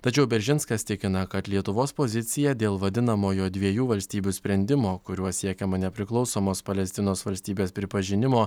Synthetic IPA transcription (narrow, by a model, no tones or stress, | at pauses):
t̪ɐt͡ʃʲɛʊbʲɛɾʲʒʲɪnskɐst̪ʲɪkʲɪnɐkɐt̪lʲiɛt̪ʊʋoːspoːzʲɪt̪sʲɪjɛd̪ʲeːlˠʋɐd̪ʲɪnɐmoːjoːd̪ʲʋʲiɛjuːʋɐlʲsʲt̪ʲiːbʲusʲpʲɾʲɛnʲd̪ʲɪmoːkʊɾʲuɔsʲiɛkʲɛmɐnʲɛpʲɾʲɪklˠɒʊsoːmoːspɐlʲɛsʲt̪ʲɪnoːsʋɐlʲsʲt̪ʲiːbʲeːspʲɾʲɪpɐʒʲɪnʲɪmoː